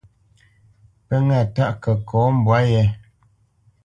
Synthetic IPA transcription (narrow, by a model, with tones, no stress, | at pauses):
pə˦ŋa˦˨ta˦ʔkə˨kɔ˨˦m̩˨bwa˨˦jɛ˦